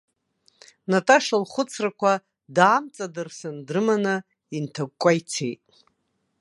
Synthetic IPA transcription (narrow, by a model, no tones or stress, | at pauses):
natʰʼaʂalχʷʊt͡sʰrakʷʰa | daːmt͡sʼadɨrsɨndrɨmanɨ | intʰaɡ̚ʷkʷʼːajt͡sʰejtʼ